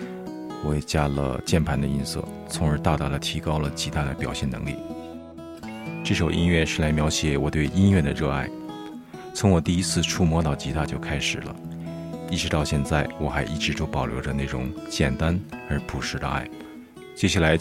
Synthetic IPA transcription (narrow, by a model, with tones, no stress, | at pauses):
wɔ˧˥ɛ˨˩t͡ɕja˥lə̰˧t͡ɕjɛ˥˩npʰa˧˥nd̪ə˧i˥nsɤ̰˥˩ | t͡sʰʊ˧˥ŋə˞˧˥t̪a˥˩t̪a˧˩d̪ə˨˩t̪ʰi˧˥kɑ˥ʊlə˨t͡ɕʰi˧˥t̪ʰa˥d̪ə˨pjɑ˨˩ʊɕjɛ˥˩nɤ̰˧˥ŋlḭ˥˩ | ʈ͡ʂɤ˥˩ʂo˨˩ʊʔḭ˥nɥɛ˥˩ʂɻ̩˥˩la˧˥ɪmjɑ˧˥ʊɕjɛ˨˩wɔ̰˨˩t̪we˥˩ɪi˥nɥɛ˥˩d̪ə˩ɻɤ˥˧a̰˥˩ɪ | t͡sʰʊ˧˥ŋwɔ˨˩t̪i˥˩i˥t͡sʰɹ̩˥˩ʈ͡ʂʰu˥mwɔ˧˥t̪ɑ˥˩ʊt͡ɕi˧˥t̪a˥˧t͡ɕjo˥˧ʊkʰa˥ɪʂɻ̩˨˩lə̰˦ | i˥˩ʈ͡ʂɻ̩˧˥t̪ɑ˥˧ʊɕjɛ˥˧nt͡sa˥˩ɪwɔ˨˧˩xa˧˥ɪʔi˥˩ʈ͡ʂɻ̩˧˥ʈ͡ʂo˥ʊpɑ˨˩ʊljo˧˥ʊə˧ne˥˩ɪʈ͡ʂʊ̰˧˥˦ŋt͡ɕjɛ˨˩nt̪a˥nə˞˧˥pʰu˨˩ʂɻ̩˧˥d̪ə̰˧a̰˥˩ɪ | t͡ɕjɛ˥ɕja˥˩la˧˥ɪ